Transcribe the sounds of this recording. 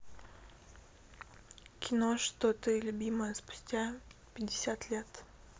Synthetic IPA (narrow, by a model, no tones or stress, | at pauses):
kʲɪnoʂt̪ot̪ɨlʲʊbʲiməjəspʊ̥sʲtʲapʲɪdʲːɪsʲat̪lʲet̪